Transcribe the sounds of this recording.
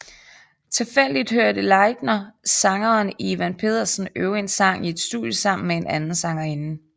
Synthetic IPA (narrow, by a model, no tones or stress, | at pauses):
t͡sʰe̝lfel̰d̥id̥høɐd̥əlɑ̈ɪd̥nɐsɑ̈ŋɐːniʋænpʰe̝̰ːð̞̰ˠɐsn̩øʊe̝nsɑ̈ŋ̰ie̝d̥sd̥ṵðˠjəsɑ̈m̰n̩mee̝nʔænn̩sɑ̈ŋɐe̝nn̩